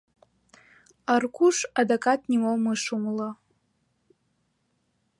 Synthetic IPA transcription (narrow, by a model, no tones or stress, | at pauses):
arkʷʰuʂadokʼatʰʼnimowmɨʂumla